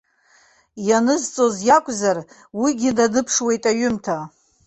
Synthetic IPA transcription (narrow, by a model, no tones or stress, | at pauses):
janɨzt͡sʼo̞zjakʷʼzar | wiɡʲɪdanɨpʰʂwe̞jtʼaɥʏmtʰa